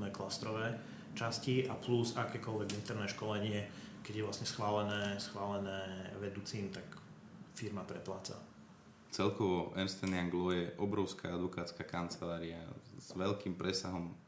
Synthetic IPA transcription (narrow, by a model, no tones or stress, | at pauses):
nɛːklast̪ɾɔʋɛː | t͡ʃasciapluzakɛːkɔlʋɛɡint̪ɛɾnɛːʃkɔlɛɲɪɛkɛɟjɛʋlasɲɛsxʋaːlɛnɛːsxʋaːlɛnɛːʋɛd̪uːt͡siːmt̪ak | fiɾmapɾɛplaːt͡sa̰ | t͡sɛlkɔʋɔʔɛnst̪ɛnaŋɡlɔjɛʔɔbɾɔʊska̰ad̪ʋɔkaːt͡skakant͡sɛlaːɾiaz̥ʋɛʎkiːmpɾɛsaɦɔm